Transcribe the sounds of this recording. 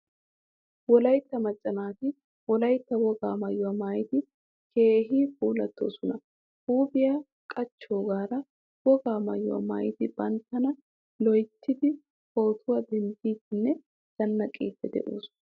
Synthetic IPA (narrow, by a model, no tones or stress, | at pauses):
wɔlɐjt̪ːɐmɐt͡ʃʼːɐnaːt̪ɪ | wɔlɐjt̪ːɐwɔɡaːmɐjːʊwɐmaːjɪt̪ɪ | kʰe̞ːɦiːfuːlɐt̪ːo̞̰ːsɔnɐ | huːbɪja | kʼɐt͡ʃːo̞ːɡaːɾɐ | wɔɡaːmɐjːʊwa̰ma̰ːjɪt̪ɪb̥ɐnt̪ːɐnɐ | lɔjt̪ʰːɪd̪ɪ | ho̞ːt̪ʰʊwɐd̪ɛnd̪iːt̪ɪnːɛ | d̪̥ɐnːɐkʼḭːt̪ːɛd̪ɛ̰ʔo̰ːs